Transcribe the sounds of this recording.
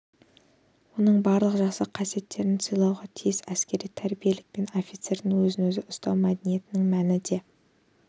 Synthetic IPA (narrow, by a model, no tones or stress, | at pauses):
wo̞nəɴbɑɾlˠəqʒɑsəqʰɑse̞t̪ːe̞ɾɪnsijlˠɑwʁɑt̪ʰijɪsæskʲe̞ɾijt̪ʰæɾbije̞lɪk̚pe̞no̞fijt̪se̞ɾd̪ɪŋwɵzɪnwɵzɪʔʊst̪ɑwmæd̪enije̞t̪ɪnɪŋmænɪd̪e̞